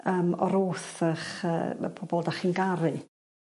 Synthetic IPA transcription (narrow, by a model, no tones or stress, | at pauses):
əːmɔ̰ɾoːθəχə̰ːpʰɔbɔlˠdaχɪnɡaɾɨ